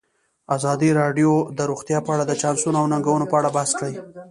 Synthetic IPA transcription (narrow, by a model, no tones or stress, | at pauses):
azɑd̪iɾɑɖjod̪əɾuxt̪jɑpəaɽad̪ət͡ʃɑnsunoawnaŋɡawunopəaɽabaskɽaj